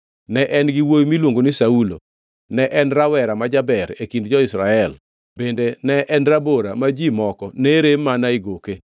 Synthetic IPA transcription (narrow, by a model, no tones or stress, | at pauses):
nɛʔɛnɡɪwojmilwoŋɡonisaulo̰ | nɛʔɛnɾawɛɾamad͡ʒabɛɾekindd͡ʒɔɪsɾaɛl | b̥endenɛʔɛnɾaboɾamad͡ʒimɔkɔneɾemanaɪɡoke